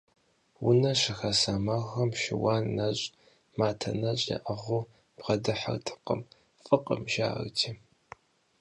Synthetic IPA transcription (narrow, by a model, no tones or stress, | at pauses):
wʊnɐɕɪxɐsamaxɐmʃɪwaːnːɐɕʼ | maːtʰɐ̰nɐɕʼjɐ̰ʔɐʁʷʊ | b̥ʁɐdɨħa̰rtʰɨ̥qə̰m | fʼɨqʼə̰mʒa̰ːrtʰiː